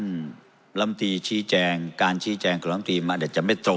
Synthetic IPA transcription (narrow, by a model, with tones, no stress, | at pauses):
la˧˥˩mt̪iː˧t͡ɕʰiː˧˦˥t͡ɕɛː˧ŋkaː˧nt͡ɕʰiː˧˥˦t͡ɕɛː˧ŋkɔː˨˩˦la˧˩mt̪iː˧maː˧˨ɗa˨˩t̚t͡ɕa˧˩ma˥˩jt̪ɾo˧